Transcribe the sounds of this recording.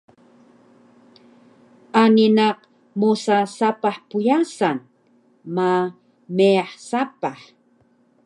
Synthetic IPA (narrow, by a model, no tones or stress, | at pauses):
aninaq | musasapaħpujasan | ma | meaħsapaħ